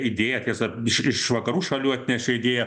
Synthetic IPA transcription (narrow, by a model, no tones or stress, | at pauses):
ɪd̪ʲeːjɛt̪ʲiɛsɐɪʃɪʃʋɐkɐɾuːʃɐlʲuːɐt̪ʲnʲɛʃʲɛɪd̪ʲeːjɛ